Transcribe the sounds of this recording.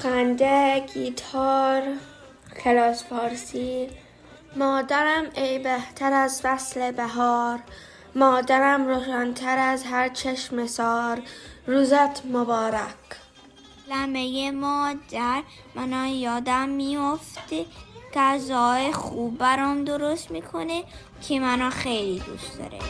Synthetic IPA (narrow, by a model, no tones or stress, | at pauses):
qænd̪eɡiːt̪ʰɒːɾ | xelɒːsfɒːɾsiː | mɒːd̪æɾæmejbeht̪ʰæɾæzvæslebæɦɒːɾ | mɒːd̪æɾæmɾoːʃænt̪ʰæɾæzɦæɾt͡ʃʰeʃmesɒːɾːuːzæt̪ʰmobɒːɾæk | læmejemɒːd̪æɾ | mænɒːjɒːd̪æmːijoft̪eɡæzɒːexuːbːæɾɒːmd̪oɾost̪miːkʰone | kʰemænɒːxejlid̪ṵst̪d̪ɒ̰ɾḛ